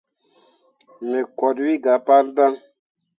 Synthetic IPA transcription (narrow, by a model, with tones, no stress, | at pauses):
me˨kɔ˨dwi˦ɡa˨pa˦lda˦ŋ